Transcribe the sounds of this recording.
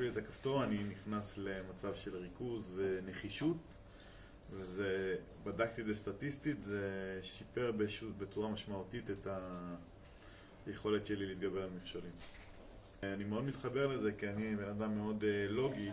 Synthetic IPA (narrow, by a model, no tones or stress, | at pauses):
vilet̪akafto̞aniniχnasle̞mat͡savʃe̞lʁikuzve̞ne̞χiʃut | veze | badakt̪idest̪atistitzeʃipe̞ʁbeʃube̞t͡suʁamaʃmautiteta | jeχo̞le̞tʃe̞liliːt̪ɡabe̞ʁalmifʃalim | animeo̞d̪mit̪χabe̞ʁle̞ze̞kianibe̞nadamːeo̞dlo̞ɡi